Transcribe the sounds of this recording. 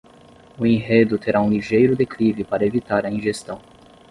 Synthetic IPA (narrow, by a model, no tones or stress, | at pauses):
ʊẽɦed̪ʊt̪eɾaũliʒejɾʊd̪eklivɪpaɾɐevit̪aɾɐĩʒest̪ɐ̃w̃